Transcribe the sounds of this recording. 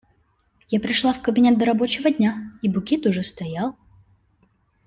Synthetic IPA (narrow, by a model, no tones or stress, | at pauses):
japɾʲɪʂlˠafkəbʲɪnʲet̪̚d̪əɾɐbo̞t͡ɕɪvədʲnʲaibʊkʲet̪ʊʐɛst̪ɐjalˠ